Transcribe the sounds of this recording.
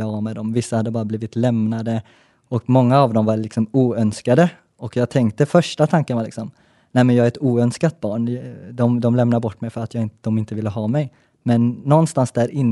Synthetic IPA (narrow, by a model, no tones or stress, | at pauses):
ɑɑmɛd̪ɔmvɪsːahad̪ːəbɑːɾabliːvɪt̪lɛmnad̪ə | ɔkmɔŋːaːvd̪ɔmvalɪksɔmuːœnskad̪ə | ɔkjɑːɡt̪ʰɛŋkt̪əfœʂʈat̪ʰaŋkənvaːlɪksɔm | nɛɪmɛnjɑːɡaɾɛt̪uːœnskat̪̚bɑːɳd̪ɔmd̪ɔmlɛmnaɾbɔʈːmɛjfœɾat̪jɑːɪd̪̥ɔmɪnt̪əvɪlːəɦɑːmɛj | mɛnːɔnːst̪ansd̪æːɾɪnː